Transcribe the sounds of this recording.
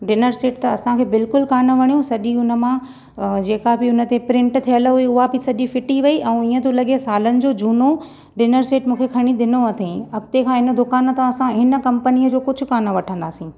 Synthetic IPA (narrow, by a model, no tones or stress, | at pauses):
ɖɪnəɾseːʈ̚t̪ɐɐsãkʰeːbɪlkʊlkaːnəʋɐɽ̃ijõsɐʄiʊnə̆mã | d͡ʑeːkabɪʊnə̆t̪epɾɪ̃ɳʈt̪ʰijəlɦuiʊɦabɪsɐʄifɪʈiʋɐiʔɛ̃ũiːə̃t̪õlɐɠiesaːlənɪ̆d͡ʑoːd͡ʑuːno | ɖɪnəɾseːʈmũːkʰekʰɐɽ̃ĩɗ̪ɪnoɐt̪ʰẽɐkt̪ekʰãːɦɪnə̆d̪ʊkaːnə̆t̪ɐɐsãɦɪnə̆kɐ̃mpəniəd͡ʑoːkʊd͡ʑʱʊ̆kaːnoʋɐʈʰə̃nd̪a̰ːsĩː